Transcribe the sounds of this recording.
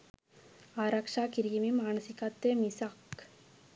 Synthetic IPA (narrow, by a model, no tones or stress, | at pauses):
aːɾɐkʂaːkiɾjɐmimaːnɐsikat̪ːemisak